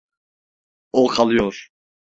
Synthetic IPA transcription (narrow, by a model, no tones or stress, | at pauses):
okʰalˠɯjoɾ̥